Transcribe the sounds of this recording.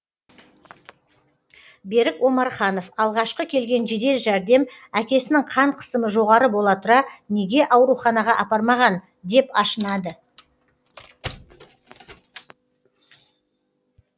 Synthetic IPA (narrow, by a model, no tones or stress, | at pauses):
be̞ɾɪkwo̞mɑɾχɑno̞fɑlˠʁɑʃqəkʲʰe̞lɡʲe̞nʒed̪e̞lʒæɾd̪e̞m | ækʲe̞sɪnɪŋqʰɑɴqʰə̥səməʒo̞ʁɑɾəbo̞lˠɑt̪ʰʊɾɑne̞ɡʲe̞ʔɑwɾuχɑnɑʁɑʔɑpɑɾmɑʁɑn | d̪e̞pɑʃənɑd̪ə